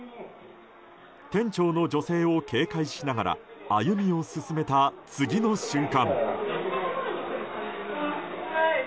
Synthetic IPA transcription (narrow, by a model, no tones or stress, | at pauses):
t̪ẽ̞ɲ̟t͡ɕo̞ːno̞d͡ʑo̞se̞ːo̞kʰe̞ːkaiɕinaɡaɾa̰ajɯ̟mʲio̞sɨsɨme̞t̪at͡sɨɡʲino̞ɕɨ̃ŋkãŋ